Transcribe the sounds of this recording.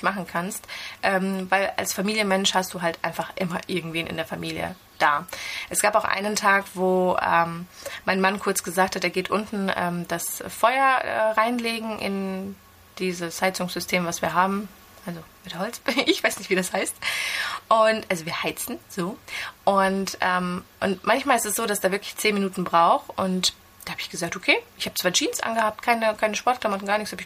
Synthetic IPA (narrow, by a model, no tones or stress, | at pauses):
ɪçtmaχn̩kʰanstʔɛːmvaɪla̰lsfamiːljənmɛnʃhast̚d̥uːɦaltʔaɪnfaχʔɪmɐʔɪɐɡŋ̩tv̥eːnʔɪ̰ndeːɐfamiːljə̰ | d̥aːʔɛsɡ̥aːpaʊxʔa̰ɪnəntʰaːkvoːʔɛːmmaɪnmankʰʊɐt͡sɡ̥əzaːk̚thatd̥eːɐɡeːtʔʊntn̩ɛ̰ːmd̥asfɔʏɐɛ̰ʁaɪnleːɡŋ̩ʔɪ̰n | d̥iːzəshaɪt͡sʊŋsz̥ʏstʰeːmvasv̥iːɐɦaːbm̩ | ʔalzomɪthɔlt͡sʔɪçv̥aɪsnɪçtv̥iːdashaɪstʔʊntʔalzoviːɐhaɪt͡sn̩z̥oːʔʊntʔɛːmʔʊntmançmaːlɪstɛsz̥oːɾasd̥aːvɪɐklɪçt͡seːnminuːtn̩bʁaʊxʔʊnt | d̥aːhaːbəɪçɡ̥əzaːk̚tokʰeːʔɪçhaːbə̥t͡sv̥aɪt͡ʃiːnsʔa̰nɡəhaːp̚tkʰaɪnəkʰaɪnəʃpɔɐtkʰl̥amɔtn̩ɡaːɐnɪçtshaːbɪç